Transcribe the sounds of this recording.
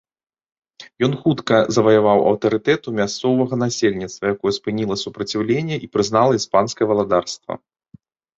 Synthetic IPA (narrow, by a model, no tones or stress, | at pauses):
jɔnxut̪kɐzɐvɐjavawɐ̰wt̪ɐɾɨt̪ɛt̪umʲast̪sɔvɐɣɐn̪asʲelʲnʲit̪st̪vɐjakɔjɛspɨnʲilˠɐsupɾɐt͡sʲiwlʲenʲːɛʔipɾɨznalˠɐispanskɐjɛvɐlˠad̪arst̪vɐ̰